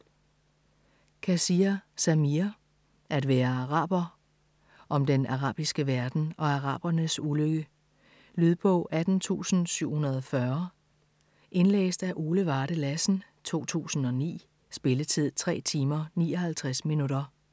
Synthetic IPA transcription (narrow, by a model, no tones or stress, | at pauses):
kʰæsiɐsæmiɐ | ʔæd̥ʋæːɐɑ̈ʁɑ̰̈ːb̥ɐ | ʔɒ̽md̥enʔɑ̈ʁɑ̰̈ːb̥isɡ̥əʋæɐd̥n̩ɒ̽ɑ̈ʁɑ̰̈ːb̥ɐnəsuløɡ̥ə | lyðˠpʰɒ̽ʔæd̥n̩t͡sʰṵːsn̩syʊ̰hunɐð̞ˠɒfɶɐ | ʔe̝nlḛːsd̥æʔoːləʋɑ̈ːɾ̥əlæsn̩t͡sʰo̝̰ːt͡sʰṵːsn̩ɒ̽nḭː | sb̥e̝lət͡sʰið̞̰ˠt͡sʰʁɛ̰ːt͡sʰiːmɐnḭːɒ̽hælt͡sʰʁasminuɾɐ